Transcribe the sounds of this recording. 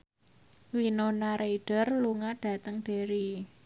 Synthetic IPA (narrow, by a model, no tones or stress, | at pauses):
winonaɾeiɖ̥ə̤rluŋaɖ̥ä̤t̪əŋɖ̥e̤ɾi